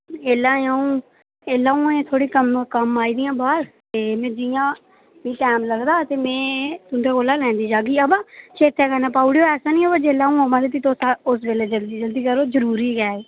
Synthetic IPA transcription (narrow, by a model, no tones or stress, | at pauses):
eːlãːãːũː | eːlːãːũːẽːt̪ʰoːɽiːkəmkəmaːiːd̪ɪjãːbaːɾt̪eːmɛ̃ːd͡ʒɪjãː | mĩːʈɛːmləɡd̪aːt̪eːmɛ̃ːt̪ʊnt̪ʰeːkoːlaːlɛ̃ːnd̪iːd͡ʒaːɡiːəbat͡ʃʰeːt̪ʰːeːkənaːpaːuɽjoːɛːsaːnĩːobəd͡ʒeːlãːũɦoːʋãːd̪iːt̪̬iːt̪osʊsbeːleːd͡ʒəld̪iːd͡ʒəld̪iːkəɾoːzəɾuːɾiːɡɛːeː